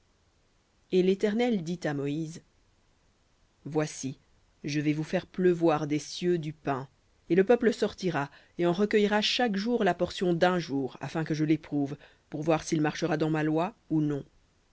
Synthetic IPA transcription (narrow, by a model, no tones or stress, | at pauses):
elet̪ɛʁnɛld̪it̪amɔiːz | vwasi | ʒəvɛvufɛʁpləvwaʁd̪esjød̪ypɛ̃ | eləpœpləsɔʁt̪iʁa | eɑ̃ʁəkʲœjʁaʃakʒuʁlapɔʁsjɔ̃d̪ɛ̃ʒuːʁa̰fɛ̃kəʒəlepχuv | puʁvwaʁsilmaʁʃəʁad̪ɑ̃malwaunɔ̃